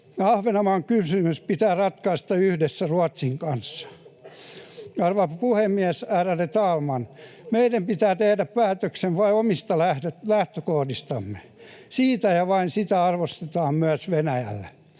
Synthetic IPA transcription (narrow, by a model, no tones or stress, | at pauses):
ɑhʋenɑmɑŋkysymyspit̪æːrɑt̪kɑist̪ɑyhdesːæruɑt̪siŋkɑnsːɑ̥ | ɑrʋɑpuhemːiæsæːrælːet̪ɑːlmɑnmeidæmpit̪æːt̪ehdæppæːt̪øksenʋɑiomist̪ɑlæhølæht̪økohdist̪ɑmːe̥ | siːt̪æjɑʋɑinsit̪æɑrʋost̪et̪ɑːmmyæsʋenæjæ̰lːe